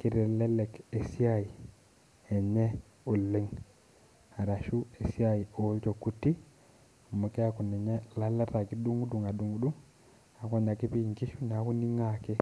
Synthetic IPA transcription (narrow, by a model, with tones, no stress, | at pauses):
ki˦ɾɛ˨lɛ˦lɛ˨ke˨si˦a˦˨ji˨ | ɛ˨ɲɛ˦ | u˨lːe˦ŋ | a˨ɾa˨ʃu˦e˨si˦a˦i˨o˦lt͡ʃo˨ku˦tːi˦˨ | mu˨ke˦a˦ku˨nɛ˨ɲɛ˦la˦la˦ta˨ki˦du˦ŋu˦du˨ŋa˨du˦˨ŋu˦du˦ŋ | a˨ko˦ɲa˨ki˦pi˦˨ŋki˦ʃu˦ɲa˨˦ku˦ni˦ŋa˦ke˦